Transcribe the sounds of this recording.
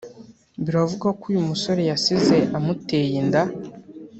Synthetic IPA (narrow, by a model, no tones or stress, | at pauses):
βiɾavuɡakuːjumuso̞ɾe̞jasizeʔamute̞jenda